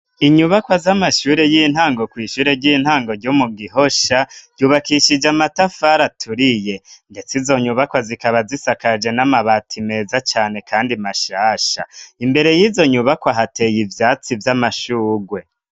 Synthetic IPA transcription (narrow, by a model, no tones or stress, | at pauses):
iɲuβakwazamaʃuːɾe̞jiːn̥haːŋɡo̞kwiːʃuːɾe̞ɾɟin̥haːŋɡo̞ɾɟomuɡiɦoʃaɟ̥uːβakiʃid͡ʒamatafaɾatʰuɾije̞nde̞t͡sizo̞ɲuβakwazikaβazisakad͡ʒe̞namaβatʰime̞ːzat͡ʃaːne̞kʰaːndimaʃaːʃa̰imbe̞ɾe̞jiːzo̞ɲuβakwaɦate̞jivjaːt͡sivjamaʃuːɡwe̞